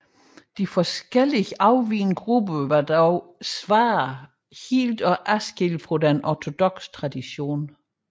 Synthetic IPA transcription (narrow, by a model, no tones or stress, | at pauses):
d̥ifɒsɡ̥el̰iɑ̈ʊʋiːnɡ̥ʁub̥əʋɑ̈d̥ɒʊsʋɑ̈ː | hḭːld̥ɒ̽ʔæsɡ̥elfʁodenʔɒt͡sʰo̝d̥ɔ̽ɡ̥st͡sʰʁɑ̈d̥iɕo̝̰ːn